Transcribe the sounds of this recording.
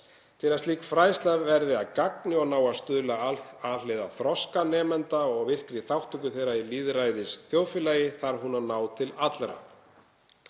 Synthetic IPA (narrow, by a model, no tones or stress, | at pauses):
t̪ʰɪlast̪iːkfɾaːjst̪lavvɛɾðɪaðkak̚nɪɔɣnaːwaðst̪ʏðlaaleːjðaθɾɔskanɛːmɛnt̪aɔɣvɪr̥kɾɪθawht̪ʰʏkʏθejɾailiːðɾaːjðɪsθjoːwfɪlaːjɪθaɾ̥ɦunanaːwt̪ʰɪlat̪lɾa̰